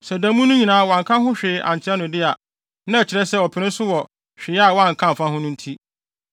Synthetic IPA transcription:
sɛ˨dã˨˦mũ˦nʊ̃˦ɲĩ˨nãː˦wɔ˨ã˨ŋkʰã˦ɦʊ̃˦ɕᶣɪ˨˦ʔã̰˨ɲ˨t͡ɕʰɪ˦ɛ˦nʊ̃˨dɪ˦a˨ | nã˦ɛ˨t͡ɕʰɪ˨ɾɛ˦sɛ˦ɔ˨pʰɪ˨nɪ̃˦sʊ˦wɔ˨ | ɕᶣɪ˨˦a˦˨wɔ˦ã˦˨ŋ̩˨kʰã˦m̩˨fã˦hʊ̃˦nʊ̃˦n̩˦tʰi˦

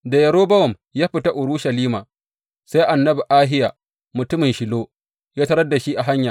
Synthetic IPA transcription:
da˨jɐ˨ɾoː˦bɐ˦wɔ˨m | jaː˦ɸɪ˨ta˦ʔʊ˨ɽu˦ʃɐ˨liː˦maː˨ | sa˦jʔa˨nːɐ˦bi˨ʔaː˦ɦɪ˦ja˨ | mʊ˨tʊ˦mɪ˨nʃɪ˨loː˦ | jaː˦tɐ˦ɾɐ˦da˨ʃi˦ʔa˨ɦa˦ɲjaː˨

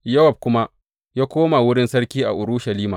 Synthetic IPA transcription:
jɐ˦wɐ˨b̚kʷʊ˦ma˦ | jaː˦kʷoː˦ma˨wʊ˦ɽɪ˦nsɐ˦ɽkʲiː˦ʔa̰˨ʔʊ˨ɾuː˦ʃɐ˨liː˦maː˨

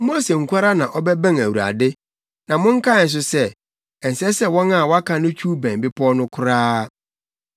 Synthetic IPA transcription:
m˦o˦se˨ŋ̩˨kʰʷa˦ɾa˦nã˨ʔɔ˦bɛ˦bæ̃˦˨ŋæ˨wu˨ɾa̰˨dɪ˦ | nã˨mʊ̃˦ŋ̩˦kʰa˦ɪ˨n̩˨s̬ʊ˦sɛ˦ | ɛ˨n̩˨sɛ˦sɛ˦wɔ̃˦na˨wɔ˦a˦kʰã˦nʊ̃˦t͡ɕʰu˦bæ̃˨m˨bɪ˦pʰɔ˦nʊ̃˦kʰʊ˦ɾaː˦

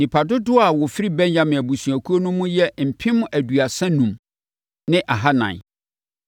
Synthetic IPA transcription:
nĩ˨pʰa˨dʊ˦dʊ˦a˨wʊ˨fɪ˦ɾi˦bɛ̃˦ɲjã˦˨mɪ̃˨æ˨bu˨sũ˨æ˨kʰu˦o˦nʊ̃˦mũ˦jɛ˦m̩˨pʰɪ̃˦m̃˦ʔæ˨du˨a˨sɛ̃˦nũ˨m | nɪ̃˦ʔa˨ɦa˦nã̰˨n˨

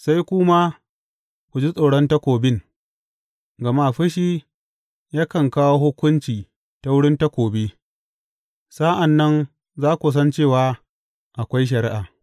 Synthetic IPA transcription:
sa˦jkʷʊ˦ma˦ | kʷu˨d͡ʒi˦sʼa˨ɽɔ˦nta˦kʷoː˨bɪ˦ŋ | ɡɐ˨ma˦ɸɪ˦ʃiː˦ | jaː˦kɐ˨ŋkaː˦wo˦hʊ˦kʷʊ˦nt͡ʃiː˨ | ta˦wʊ˦ɽɪ˦nta˦kʷoː˨be˦ | sa˦ʔa˨nːɐ˦n | zaː˦kʷu˨s̬ɐ˦nt͡ʃeː˦˨waː˦ | ʔa˨kʷa˦jʃ̬ɐ˨ɾi˦ʔaː˨

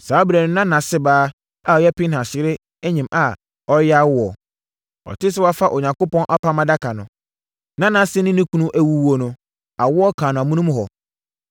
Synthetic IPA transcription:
saː˨˦ɔ˦bɾæ˨nʊ̃˦nã˦nã˨sɪ˦baː˦ | a˨ɔ˨˦jɛ˦pɪ˦nhã˨ɕɪ˨˦ɾɪ˦ | æ˦ɲĩ˨mʔa˨ | ɔ˦ɾja˦wʊ˦ɔ˨ | ɔ̰˨tʰɪ˦s̬ɪ˦wa˦fa˦ʔo˨ɲã˨ŋko˦pɔ̃˦nʔa˦pa˦mã˦da˦kʰa˨nʊ̃˨ | nã˦nã˨sɪ˦nɪ̃˦nɪ̃˦kʰũ˦nũ˦ʔæ˦wu˦wo˦nʊ̃˨ | a˨wʊ˦ɔ˦kʰaː˨nʊ̃˨mũ˦nũ˦m˦ɦɔ˨

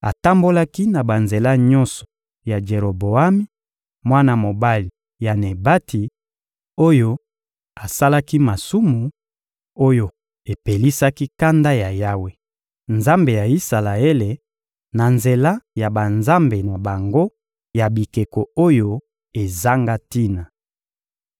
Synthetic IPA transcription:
a̰˨ta˦mbo˦la˦ki˦na˨ba˨nze˨la˦ɲɔ̃˦nsɔ̥˨ | ja˨d͡ʒe˨ʁo˨bo˨a˦mi˦ | mwa˦na˦mo˨ba˦li˨ | ja˨ne˨ba˦tʰi˨ | o˦jo˦ | a˨sa˦la˦ki˦ma˨su˦mu˨ | o˦jo˨ | e˨pe˨li˦sa˦ki˦ka˦nda˦ja˨ja˦we˦ | nza˦mbe˨ja˨i˦sa˨la˨e˦le˨ | na˨nze˨la˦ja˨ba˨nza˦mbe˨na˨ba˨ŋɡo˦ | ja˨bi˨ke˨ko˨o˦jo˦ | e˨za˦ŋɡa˦ti˦na˨

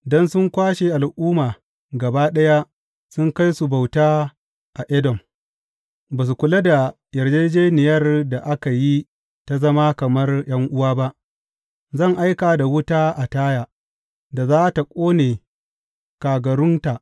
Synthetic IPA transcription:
dɔ˦nsʊ˦ŋkʷaː˦ʃe˨ʔa˨lʔuː˦maː˨ | ɡɐ˨baː˦ɗɐ˦ja˦ | sʊ˦ŋka˦jsu˨ba˨wtaː˦ | ʔa˨ʔɛ˦dɔ˨m | baː˨s̬u˨kʷʊ˨la˦da˨ | jɐ˨rd͡ʒeː˦d͡ʒeː˦nɪ˨jɐ˦rda˨ʔa˦ka˨ji˦ | ta˦zɐ˦ma˦kɐ˨mɐ˦rj̰ɐ˦ŋʔʊ˦waː˦ba˦ʔ | zɐ˦˨ŋʔa˦jkaː˨da˨wʊ˦taː˦ʔa˨taː˦jaː˨ | da˨zaː˦ta˨kʷʼoː˦neː˨ | kaː˨ɡɐ˨ɾʊ˦nta˨ʔ

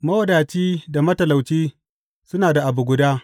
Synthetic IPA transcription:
mɐ˦wɐ˦daː˨t͡ʃiː˦da˨mɐ˦tɐ˨la˨wt͡ʃiː˦ | sʊ˦naː˨da˨ʔa˨bu˨ɡʷʊ˨daː˦

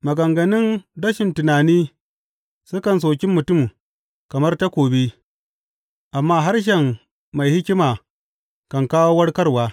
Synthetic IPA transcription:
mɐ˨ɡɐ˨ŋɡɐ˨nɪ˦ndɐ˦ʃɪ˨ntʊ˨naː˨niː˦ | sʊ˦kɐ˨ns̬oː˨kʲɪ˦mːʊ˨tʊ˦m | kɐ˨mɐ˦rta˦kʷoː˨bi˦ | ʔa˨mːaː˦ɦa˦rʃ̬ɛ˨m | ma˨jhɪ˦kʲɪ˦maː˨ | kɐ˨ŋkaː˦woː˦wɐ˦ɽkɐ˦rwaː˦

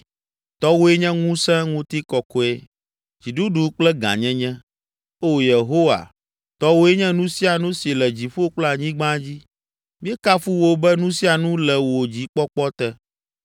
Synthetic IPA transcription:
t̪ɔ˦wo˦e˦ɲɛ̃˦ŋũ˦sɛ̃˦ŋũ˦t̪i˦kɔ˨kɔ˦ɛ˦ | d͡ʑi˨ɖu˦ɖu˦k͡plɛ˦ɡã̰˨ɲɛ̃˦ɲɛ̃˦ | o˦je˨ɦo˦wa̰˨ | t̪ɔ˦wo˦e˦ɲɛ̃˦nũ˦si˦a˨nũ˦si˨lɛ˨d͡ʑi˨ɸo˦o˦k͡plɛ˦a˨ɲĩ˦ɡ͡bã˦d͡ʑi˦ | mĩ˦ɛ˦ka˦fu˦wo˦bɛ˦nũ˦si˦a˨nũ˦lɛ˨wo˨d͡ʑi˨˦k͡pɔ˦k͡pɔ˦t̪ɛ˦

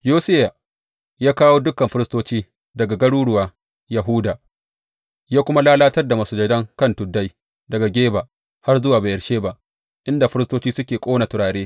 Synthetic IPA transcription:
joː˦sɪ˦ja˨ | jaː˦kaː˦woː˦dʊ˦kːɐ˨mɸɪ˦ɾɪ˦stoː˦t͡ʃiː˦ | dɐ˨ɡa˨ɡɐ˦ɽuː˦ɽʊ˦waː˨ | jɐ˨ɦʊ˦daː˨ | jaː˦kʷʊ˦ma˦laː˦laː˦tɐ˦rda˨mɐ˨suː˨d͡ʒɐ˦dɐ˦ŋkɐ˦˨ntʊ˨dːa˦j | dɐ˨ɡa˨ɡʲeː˦ba˨ʔ | ha˦rzʊ˦waː˨baː˨ʔɐ˨ɽʃeː˦ba˦ʔ | ʔɪ˦nda˨ɸɪ˦ɾɪ˦stoː˦t͡ʃiː˦sʊ˦kʲeː˨kʷʼoː˦na˨tʊ˨ɽaː˨ɽeː˦

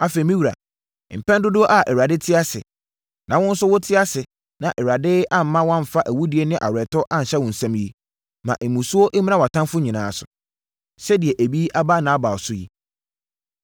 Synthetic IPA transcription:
a˨fe˨i˨mĩ˦wu˨ɾa̰˨ | m̩˨pʰɛ̃˦n˦dʊ˦dʊ˦ʔa˨ʔɛ˨wa˨dɪ˦tʰɪ˦a˦sɪ̰˨ | nʔã˨wʊ̃˦n̩˦sʊ˦wɔ˦tʰɪ˦a˦sɪ˨ | nã˨ʔɛ˨wa˨dɪ˦a˦m̩˨˦mã˦wɔ̃˦m˨fa˦ʔæ˨wu˦di˨ɛ˦nɪ̃˦ʔa̰˨wɾɛ˨tʰɔ˦ʔã˦n̩˨ɕɛ˦wʊ̃˨n̩˨sæ̃˦mji˦ | mã̰˨ʔe˨mũ˨su˦ɔ˦ʔe˦mĩ˦nã˦wa˨tʰã˦mfʊ˦ɲĩ˨nãː˨sʊ̥˨ | sɛ˦dɪ˨ɛ˨ʔæ˨bi˦ʔa˦ba˦nã˨˦ba˨sʊ˦jḭ˦

